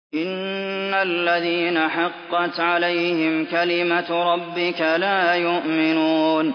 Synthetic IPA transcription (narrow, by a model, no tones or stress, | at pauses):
ʔɪnːalːaðiːnaħɑqːɑt̪ʕalajhɪmkalɪmaɾˤɑbːɪkalaːjʊʔmɪnuːn